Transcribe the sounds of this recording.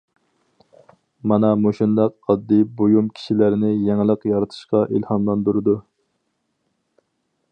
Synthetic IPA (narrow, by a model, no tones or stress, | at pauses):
mɑnɑmoʃind̪ɑqɑd̪ːɨbojumkʲʰi̥ʃilæɾnɪjɛŋlˠəqjɑɾɨt̪ʰɨ̥ʃqɑʔilhɑmlˠɑnd̪uɾɨd̪u